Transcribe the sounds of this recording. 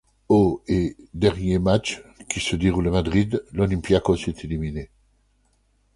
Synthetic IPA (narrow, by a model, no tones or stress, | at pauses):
oed̪ɛʁnjemat͡ʃkʲʰisəd̪eʁulamad̪ʁid̪lɔlĩmpjakɔ̃set̪ʰelimine